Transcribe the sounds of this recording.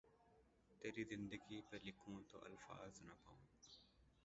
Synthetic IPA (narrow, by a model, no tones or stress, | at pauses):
t̪eːɾiːzɪ̃nd̪əɡiːpelɪkʰõːt̪o̰ːʔɐ̰lfa̰ːznapaõː